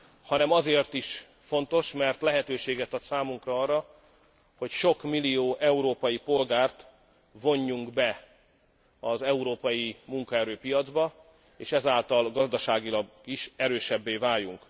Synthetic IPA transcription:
hɒnɛmɒzeːrt̪iʃ | fo̞nt̪o̞ʃmɛrt̪lɛɦɛt̪øːʃeːɡɛt̪ɒt̪saːmuŋkrɒɒrːɒ | ho̞cʃo̞kmilioːʔɛuɾoːpɒjipo̞lɡaːrt̪ | vo̞ɲːuŋɡbɛ | ɒzɛuɾoːpɒjimuŋkɒɛɾøːpijɒd̪zbɒ | eːʃɛzaːlt̪ɒlɡɒzd̪ɒʃaːɡilɒɡ | iʃɛɾøːʃɛbːeːvaːjuŋk

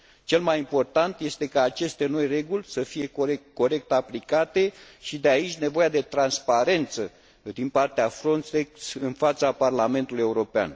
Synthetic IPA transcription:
t͡ʃe̞lmajimpo̞rt̪ant̪je̞st̪e̞kaːt͡ʃe̞st̪e̞no̞jre̞ɡulʲsəfije̞kekːo̞ɾe̞k̚t̪aplikat̪e̞ʃid̪eait͡ʃʲne̞vo̞jad̪e̞t̪ɾanspaɾe̞nt̪sə | d̪inpart̪eafɾonseksɨnfat̪saparlame̞nt̪uluje̞uɾo̞pea̰n

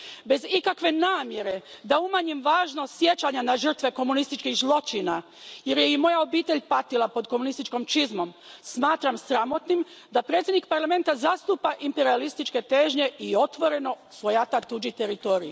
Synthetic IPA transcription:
be̞zikakʋe̞naːmje̞ɾe̞d̪aumaɲimʋaːʒno̞sje̞t͡ʃaɲanaʒr̩t̪ʋe̞ko̞munist̪it͡ʃkixzlˠo̞t͡ʃina | jeɾjeimo̞jao̞biːt̪e̞ʎpat̪ilˠapo̞d̪komunist̪it͡ʃko̞mt͡ʃizmo̞msmaːt̪ɾamsɾamo̞t̪nim | d̪apɾe̞t̪sʲjed̪nikpaɾlame̞nt̪azast̪upaʔimpe̞ɾialist̪it͡ʃke̞t̪eːʒɲe̞io̞t̪ʋo̞ɾe̞no̞ | sʋo̞jat̪at̪ud͡ʒit̪eɾit̪o̞ːɾiji

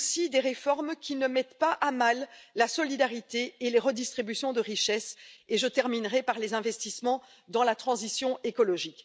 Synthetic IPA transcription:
sid̪eʁefɔʁmkʲinəmɛt̪paʔamalːasɔlid̪aʁit̪eeleʁəd̪ist̪χibysjɔ̃d̪əʁiʃɛseʒət̪ɛʁminʁɛpaʁlezɛ̃vɛst̪ismɑ̃ | d̪ɑ̃lat̪χɑ̃zisjɔ̃ʔekɔlɔʒik

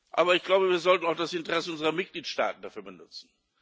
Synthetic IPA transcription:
ʔa̰ːbɐɪçɡ̥laʊbəviːɐzɔltn̩aʊxd̥asʔɪntəʁɛsəʔʊnzəʁɐmɪt̚ɡ̥liːtʃta̰ːtn̩dafyːɐbənʊt͡sn̩

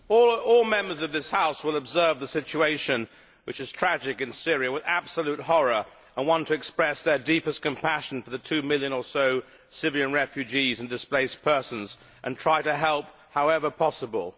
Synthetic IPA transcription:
ɔlˠɔlˠmɛ̃mbə˞zʌvðɪshaʊswəlˠəbzɜ˞vðəsɪt͡ʃueɪʃɨ̃n | wɨt͡ʃɨz̥tʰɹ̥æd͡ʒɨkɨ̃nsɪɹiɨwɨðæb̥səlʉt̚hɔɹə˞ | ʔə̃nwɑ̃ntʰɨɨkspɹɛsðə˞dipɨskɨ̃m̩pʰæʃn̩fə˞ðɨtʰʉmɪlˠjɨ̃nə˞soʊ | sɪviɨ̃nɹɛfjʉd͡ʒizɨ̃n̩dɨspleɪspʰɜ˞sɨ̃n̩z | ʔɨ̰̃ntʰɹ̥aɪɾɨɦɛlˠp̚ | haʊɛvə˞pʰɑsəbə̰lˠ

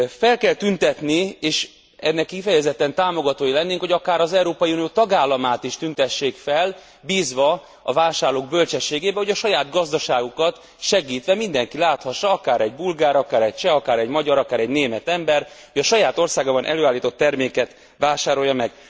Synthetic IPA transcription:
fɛlkɛlt̪ynt̪ɛt̪nieːʃ | ɛnːɛkːifɛjɛzɛt̪ːɛnt̪aːmo̞ɡɒt̪oːjilɛnːeːŋkho̞ɟɒkaːɾɒzɛuɾoːpɒjiunijoːt̪ɒɡaːlːɒmaːt̪iʃt̪ynt̪ɛʃːeːkfɛl | biːzʋɒ | ɒvaːʃaːrloːɡ̚bølt͡ʃɛʃːeːɡeːbɛho̞ɟɒʃɒjaːd̪ɡɒzd̪ɒʃaːɡukɒt̪ | ʃɛɡiːt̪ʋɛmind̪ɛŋkilaːt̪hɒʃːɒɒkaːɾɛɟbulɡaːɾɒkaːɾɛc̚t͡ʃɛɒkaːɾɛɟmɒɟɒɾɒkaːɾɛɟneːmɛt̪ɛmbɛr | hoɟɒʃɒjaːt̪o̞rsaːɡaːbɒnʔɛ̰løːaːlːiːt̪o̞t̪ːɛrmeːkɛt̪ | ʋaːʃaːɾo̞jːɒmɛɡ

